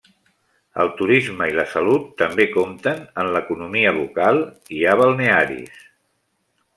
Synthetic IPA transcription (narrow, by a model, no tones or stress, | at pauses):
ə̰lˠt̪uɾizməiləsəlut̪ːəmbekomt̪ənənləkunumiəβukalˠ | iaβəlˠneaɾḭs